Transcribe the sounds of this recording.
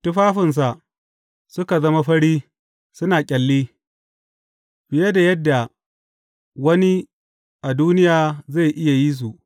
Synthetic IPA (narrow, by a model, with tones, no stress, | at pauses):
tʊ˦ɸaː˦ɸɪ˨ns̬a˨ʔ | sʊ˦ka˨zɐ˦ma˦ɸɐ˦ɽiː˦ | sʊ˦naː˨kʲʼɐ˨lːiː˦ | b̥ɪ˨jɐ˦da˨jɐ˦dːa˨ | wɐ˦ni˦ | ʔa˨duː˦nɪ˦jaː˨za˦˨jʔɪ˦ja˨jiː˦s̬u˨ʔ